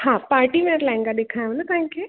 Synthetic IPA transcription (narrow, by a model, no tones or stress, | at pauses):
hãpaːɾʈimẽɾlãɪ̃ŋɡad̪ekʰaːj̃ʋnək̪ãɦɪ̃kʰe